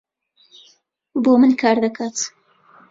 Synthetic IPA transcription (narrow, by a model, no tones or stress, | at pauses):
bomɨnkʰɑːɾd̪akʰat̪